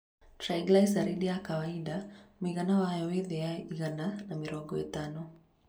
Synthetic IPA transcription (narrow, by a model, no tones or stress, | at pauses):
tɾajɡlajsaɾiɗijakawaiɗamiɣanawajɔwiðɛjaiɣananamiɾɔɡɔḭtanɔ